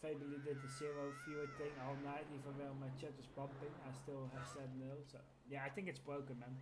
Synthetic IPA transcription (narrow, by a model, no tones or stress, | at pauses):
feɪbəlˠidɪtəsiɹoʊfjutɪ̃ŋɔlˠnaɪtivəʋɛlmajt͡ʃɛtəspʌ̃mpɪ̃ŋaɪstɪlˠɦɛvsɛvnːɪlˠsoʊ | jaajθɪ̃ŋkɪtsbroʊkə̃nmɛ̃n